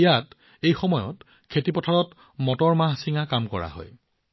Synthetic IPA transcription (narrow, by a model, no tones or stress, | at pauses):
ijat | ejxɔmɔjɔ̰t | kʰetipɔtʰaɹɔt | mɔtɔɹmaɦsiŋakamkɔɹa̰ɦɔ̰j